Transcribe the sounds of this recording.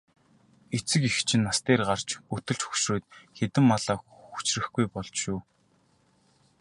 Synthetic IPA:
et͡sɘ̆kixt͡ɕʰɪ̆nːast̪eːrɢar̥t͡ɕut̪ɵ̆ɮt͡ɕxɵ̥kʃruːt̪xet̪ɘ̆mːaɮaːxu̥t͡ɕrɘ̆xɡujpɔɮt͡ɕʃuː

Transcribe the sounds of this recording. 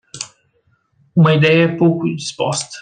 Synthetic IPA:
umɐid̪ɛjɐɛpowkud̪ispɔst̪ɐ̥

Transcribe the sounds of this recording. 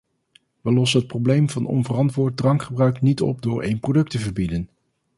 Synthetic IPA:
ʋəlɔsənət̚prowblejmvɑnɔ̰nvərɑntʋʊːɹt̚drɑŋkχəbrœɥknitɔ̰p̚dʊːɹʔejnprodɵk̚təvəɹbidən

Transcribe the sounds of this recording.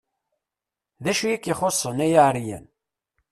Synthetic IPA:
ðæʃujikːiχosˤːənæjaʕɾijæ̰n

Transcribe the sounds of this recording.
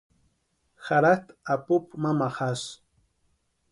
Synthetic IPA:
xaɾat̪apʊpmamaχas

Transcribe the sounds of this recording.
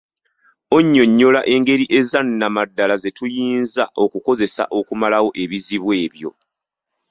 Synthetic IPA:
o̞ɲːo̞ɲːo̞laʔe̞ŋɡe̞ɾiʔe̞zanːamadːalaze̞tujiːnzao̞kuko̞ze̞sa̰ʔo̞kumalawo̞ʔe̞βiziβwe̞ːβjo̞̰

